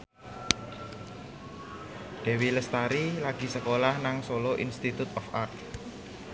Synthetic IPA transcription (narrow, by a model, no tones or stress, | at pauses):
ɖ̥ɛ̤wiləst̪aɾilaɡ̥i̤səkolahnaŋsoloʔḭnst̪it̪ut̪ɔfart̪